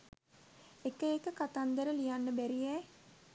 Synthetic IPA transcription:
ekəekəkat̪and̪əɾəlijanːəbæɾijɛj

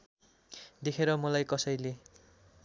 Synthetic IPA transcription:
d̪ekʰeɾʌmʌlajkʌsʌjle

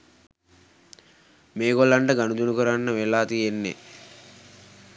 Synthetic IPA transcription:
meːɡolaɳɖəɡanud̪unukuɾanːəʋelaːt̪ijenːḛ

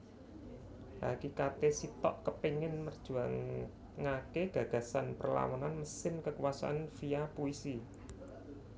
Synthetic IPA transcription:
ʔakikat̪esit̪ɔʔkəpiŋɪnmərd̥ʒ̥ṳaŋː | akeɡ̥ä̤ɡ̥a̤sanpərla̰wɔnanməsɪmkəkuwasa̰ʔanfijapuisi

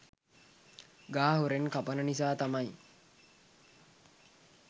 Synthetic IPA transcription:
ɡaːɦuɾenkapənənisaːt̪amaj

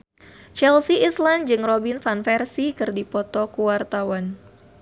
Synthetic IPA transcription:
t͡ʃɛlsiisland͡ʒɨŋrobinfanfɛrsikɨrdipɔt̪ɔkuwart̪awan

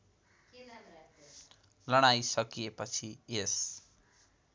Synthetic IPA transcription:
lʌɽ̃ajsʌkijepʌt͡sʰies

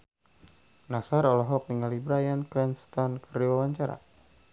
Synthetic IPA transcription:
nasaɾɔlɔɦɔk̚niŋalibɾajankɾɛnst̪ɔnkəriwawaɲt͡ʃaɾa̰

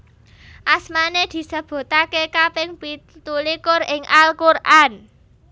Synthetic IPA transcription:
ʔasmaned̪̥i̤səb̥o̤t̪akekapɪŋpit̪ulikʊrɪŋalkurʔan

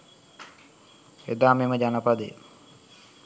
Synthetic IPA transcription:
ed̪aːmeməd͡ʒanəpad̪ḛ

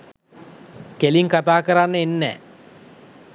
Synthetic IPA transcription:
keliŋkat̪aːkəɾanːəenːɛ̰ː

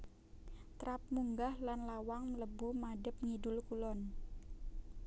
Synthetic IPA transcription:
t̪ɾap̚muŋɡahlanlawaŋləbumadəp̚ŋidʊlkulɔn

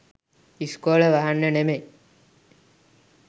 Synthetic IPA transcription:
iskoːləʋaɦanːəneme

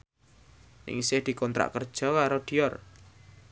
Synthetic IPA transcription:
nɪ̰ŋsɪhd̪̥i̤kɔnt̪ɾa̰ʔkərd̥ʒ̥ɔ̤kaɾod̪̥iɔr

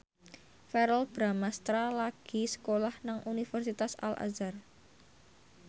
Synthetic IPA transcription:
fɛɾɔlb̥ɾamast̪ɾalaɡ̥i̤sə̥kolahnaŋʔunifɛrsit̪asa̰la̰zar

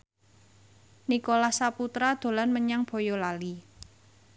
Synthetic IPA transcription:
nikolahsaput̪ɾad̪̥o̤lanməɲaŋb̥o̤jolali

